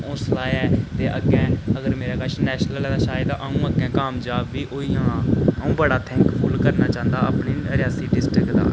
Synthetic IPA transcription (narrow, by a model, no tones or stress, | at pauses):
ʊ̃ːslaːɛːt̪eːʔəɡɛ̃ːəɡəɾmeːɾaːkəʃnɛːʃnəllɛːd̪aːʃaːjɪd̪ʔəːũːəɡɛ̃ːkaːmd͡ʒaːbːiːʔoːiãːəũːbəɽaːt̪ʰɛ̃ːŋkpʰʊlkəɾnaːt͡ʃãːnd̪aːəpniːɾɪjaːsiːɖɪsʈɾɪkd̪a̰ː